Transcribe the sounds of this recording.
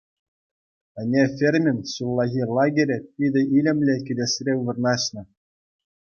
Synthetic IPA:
ɘ̆nʲefʲerʲmʲɘ̆nʲsulˠːɑɣʲilˠɑɡʲeɾʲɘ̆pʲidʲɘ̆ʔilʲɘ̆mʲlʲekʲĭd̪ʲesʲrʲeubɤ̆rnɑɕnɤ̆

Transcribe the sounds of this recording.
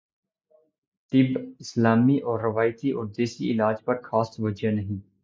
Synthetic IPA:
t̪ɪbɪslaːmiʔɔːɾːɐʋaːjt̪iʔɔːɾd̪eːsiɪlaːd͡ʒpɐɾxaːsʋɐd͡ʒjanɐɦĩː

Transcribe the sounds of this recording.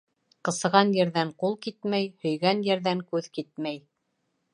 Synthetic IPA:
qɤ̆sɤ̆ʁɑnjɘ̆ɾðæɴqulˠkit̪mæjhɵ̆jɡænjɘ̆ɾðæŋkʉðkit̪̚mæj

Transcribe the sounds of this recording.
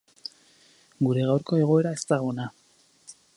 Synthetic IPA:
ɡuɾe̞ɣawɾko̞e̞ɣ̞o̞e̞ɾae̞st̪aɣona

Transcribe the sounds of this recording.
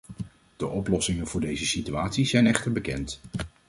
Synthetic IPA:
d̥əʔɔplɔsɪŋənvʊːɹdejzəsityaːtsizɛjnɛχtəɹbəkɛ̰nt

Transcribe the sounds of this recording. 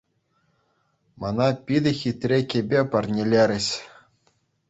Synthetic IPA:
mɑnɑpʲid̪ʲɘ̆xʲit̪ʲrʲekʲebʲepɑrʲnʲelʲeɾʲɘ̆ɕ

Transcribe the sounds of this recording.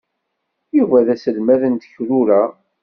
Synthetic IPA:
jiʁvæðæsəlmæðənt̪ə̥çɾuɾæ

